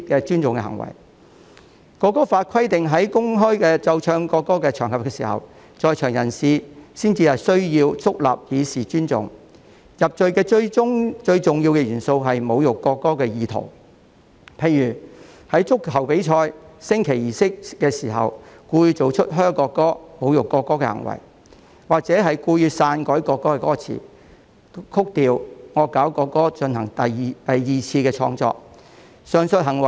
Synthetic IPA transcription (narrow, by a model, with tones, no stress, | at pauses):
kɛː˧t͡ʃyː˥nt͡sʊ˨ŋkɛ̰˧hɐ̰˨˩ŋwɐ̰˨˩j | kɔː˧kːɔː˥faː˧t̚kʰɐ˥jt̪ɪ˨ŋɦɐ˨˥jkʊ˥ŋɦɔː˥jkɛː˧t͡sɐ˧wt͡ʃʰœː˧ŋkɔː˧kːɔː˥kɛː˧t͡ʃʰœː˨˩ŋhɐ˨pkɛ˧siː˨˩hɐ̰˨w | t͡sɔː˨˧jt͡ʃʰœː˨˩ŋjɐ˨˩nsiː˨˧siː˥nt͡siː˧hɐ˨˩sɵ˥ɥjiː˧wt͡sʊ˥k̚la̰ː˨p̚jiː˨˧siː˨t͡ʃyː˥nt͡sʊ̰˨ŋ | jɐ˨p̚t͡ʃɵ˨ɥkɛː˧t͡ʃɵ˧ɥʊ˥ŋt͡ʃɵ˧ɥt͡sʊ˨˩ŋjiː˧wkɛː˧jyː˨˩nso˧wɦɐ˨jmo˨˧wjʊ˨kːɔː˧kːɔː˥kɛː˧jiː˨˧t̪ʰo̰˨˩w | pʰe˨˧jyː˨˩ | hɐ˨˥jt͡sʊ˥k̚hɐ˨˩wpe˨˥jt͡ʃʰɔː˧jsɪ˥ŋkʰe˨˩jjiː˨sɪ˥k̚ːɛː˧siː˨˩ɦɐ̰˨wkuː˧jy˧t͡so˨wt͡ʃʰɵ˥t̚ɦœː˥ŋkɔː˧kːɔː˥mo˨˧wjʊ˨kːɔː˧kːɔː˥kɛ˧hɐ̰˨˩ŋwɐ̰˨˩j | waː˨k̚t͡sɛː˨˥ɦɐ˨jkuː˧jyː˧saː˧nkɔː˨˥jkɔː˧kːɔː˥kɛː˧kɔː˥t͡sʰḭː˨˩ | kʰʊ˥k̚t̪iː˨˧wŋɔː˨˧kaː˨˥wkɔː˧kːɔː˥t͡ʃɵ˧nhɐ˨˩ŋt̪ɐ˨jt̪ɐ˨jːiː˨t͡sʰiː˧kɛː˧t͡ʃʰɔ̰ː˧ŋt͡sɔ̰ː˧k̚ | sœː˨˩ŋsɵ˧t̚ɦɐ˨˩ŋwɐ˨˩j